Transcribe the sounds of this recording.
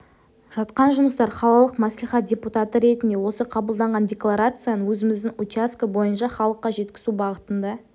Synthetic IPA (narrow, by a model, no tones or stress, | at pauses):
ʒ̥ɑt̪qɑnʒʊməst̪ɑɾχɑlˠɑlˠəqmæsliχɑt̪̚dʲe̞put̪at̪əɾe̞t̪ɪnd̪e̞wo̞səqʰɑbəlˠd̪ɑɴʁɑndʲe̞klˠaɾat̪sɨjanəwɵzɪmɪzd̪ɪŋut͡ʃaskabo̞jənʃɑχɑlˠəqːɑʒe̞t̪kʲɪ̥zubɑʁət̪ənd̪ɑ